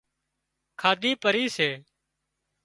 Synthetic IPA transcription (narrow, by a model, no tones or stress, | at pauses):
kʰaːd̪ʱiːpəɾiːseː